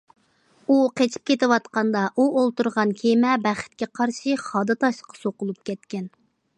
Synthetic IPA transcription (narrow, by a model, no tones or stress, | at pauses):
uqet͡ʃʰi̥p̚kʲet̪ɪwɑt̪qɑnd̪ɑʔuʔolˠt̪uɾʁɑnkʲʰemɛbæχɪ̥t̪̚kʲɛqʰɑɾʃɨχɑːd̪ɨt̪ʰɑʃqʰɑ̥soqʊlˠup̚kʲʰɛt̪kʲɛn